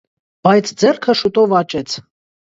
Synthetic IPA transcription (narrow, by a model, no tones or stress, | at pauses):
b̥ɑjt͡sʰd͡zɛrkʰəʃut̪ɔvɑt͡ʃɛt͡sʰ